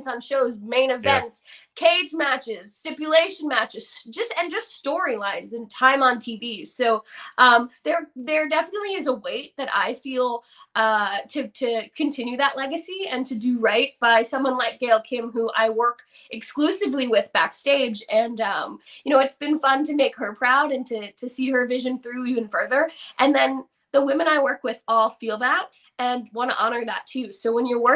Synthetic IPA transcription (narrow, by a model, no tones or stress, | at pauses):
sn̩ʃoʊzmẽɪ̃nɨvɛ̃ntskʰeɪdzmæt͡ʃɪz̥stɪpjɨleɪʃɨ̃nmæt͡ʃɨz̥d͡ʒʌstɨ̃nd͡ʒʌststɔɹilãɪ̃nzɨ̃ntʰãɪ̃mə̃ntʰivi̥soʊʔʌ̃mðə˞ðə˞dɛfənətˡliɨzəweɪt̪̚ðɨɾʔa̰ɪfilˠ | ʔʌtʰɨtʰɨkʰɨ̃ntʰɪ̃njʉðəʔˡlɛɡɨsiɨ̃ntʰɨdɨɹaɪt̚b̥aɪsʌ̃mwʌ̃nlaɪk̚ɡ̥eɪlˠkʰɪ̃mɦuʔaɪwɜ˞k | ʔɨksklʉsɨvliwɪðb̥æ̰ksteɪd͡ʒɨ̃nʌ̃mjɨñoʊɨtsb̥ɨ̃nfʌ̃ntʰɨmeɪkhə˞pʰɹ̥aʊɾɨ̃ntʰɨɾɨsiə˞vɪʒɨ̃nθɹʉivɨ̃nfɜ˞ðə˞ʔɨ̃nðɨ̃n | ðəwɪ̃mɨ̃ñaɪwɜ˞kwɨðɔlˠfilˠðæt̚ | ɨ̃nwɑ̃ñə̰ʔɑɾ̃ə˞ðə̰tʰʉsoʊwə̃njə˞wɜ˞